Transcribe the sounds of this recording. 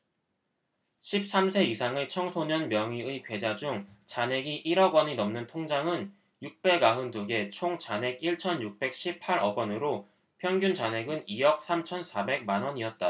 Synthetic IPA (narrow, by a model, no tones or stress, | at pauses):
ɕʰip̚s͈amsʰe̞isʰaŋet͡ɕʰʌŋsʰoɲʌnmjʌŋɥiɯikwe̞d͡ʑad͡ʑuŋt͡ɕanɦe̞ɡiʔiɾʌɡwʌɲinʌmnɯntʰoŋd͡ʑaŋɯn | juk̚p͈e̞ɡaɦɯndɯɡe̞t͡ɕʰoŋt͡ɕanɦe̞ɡiɭt͡ɕʰʌnjuk̚p͈e̞k̚ɕ͈ʰipʰaɾʌɡwʌnɯɾo | pʰjʌnɡjunt͡ɕane̞ɡɯnijʌk̚s͈ʰamt͡ɕʰʌnsʰabe̞ɡ̚manwʌɲiʌt̚t͈a